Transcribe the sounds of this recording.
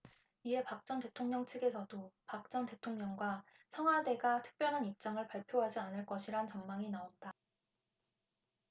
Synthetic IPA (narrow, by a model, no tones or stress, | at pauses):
ie̞pak̚t͡ɕ͈ʌnte̞tʰoŋɲʌŋt͡ɕʰɯɡe̞sʰʌdopak̚t͡ɕ͈ʌnte̞tʰoŋɲʌŋɡwa | sʰʌŋɦade̞ɡatʰɯ̥k̚p͈jʌɭɦanip̚t͡ɕ͈aŋɯɭpaɭpʰjoɦad͡ʑianɯɭk͈ʌɕʰiɾant͡ɕʌnmaŋinaonda